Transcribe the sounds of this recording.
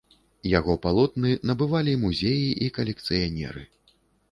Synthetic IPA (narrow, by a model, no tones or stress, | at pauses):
jaɣɔpalˠɔt̪nɨnɐbɨvalʲimuzʲejiʔikɐlʲɛkt̪sɨjanʲɛ̰ɾɨ̰